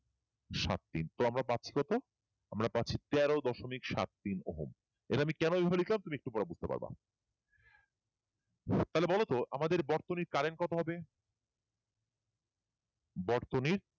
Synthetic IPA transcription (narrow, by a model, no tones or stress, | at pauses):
ʃa̰t̪̚ːint̪oamɾapat̪ːɕʰi̥kɔt̪o | amɾapatːɕʰit̪ɛɾod̪ɔʃomikʃa̰t̪̚ːinoɦo̰m | ḛɾaamikɛnoebʱabalit̪lamt̪umiekʈupɔɾabud͡ʑʱt̪epa̰ɾba̰ | t̪aɦlebɔlot̪oʔa̰mad̪eɾbɔɾt̪oniɾkaɾenkɔt̪oɦɔbe | bɔɾt̪oniɾ